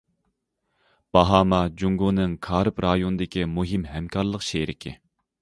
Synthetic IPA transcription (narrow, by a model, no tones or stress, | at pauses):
b̥ɑɦɑːmɑd͡ʒuŋɡonɨŋkʰɑːɾɨpɾɑːjonɨd̪ɪkʲimuɦimɦɛmkʰɑɾlˠəqʃeɾɪkʲʰɪ̰